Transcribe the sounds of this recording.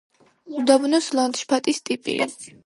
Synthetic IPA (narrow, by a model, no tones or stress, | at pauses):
d̪abnɔslant̪ʃpʰat̪ʼist̪ʼipʼḭ